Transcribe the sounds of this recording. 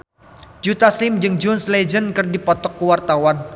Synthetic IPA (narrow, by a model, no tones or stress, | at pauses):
d͡ʒut̪aslɪmd͡ʒɨŋd͡ʒɔnslɛd͡ʒənkɨrdipɔt̪ɔkːuwart̪awan